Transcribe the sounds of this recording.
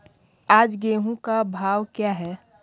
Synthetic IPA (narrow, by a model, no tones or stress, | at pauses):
aːd͡ʒɡeːɦũkabʱaːwkjaɦɛː